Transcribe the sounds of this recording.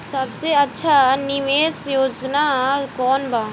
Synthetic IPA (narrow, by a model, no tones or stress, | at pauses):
sɐbseɐtːʃʰanɪʋeːsjoːd͡ʒnakɔːnbaː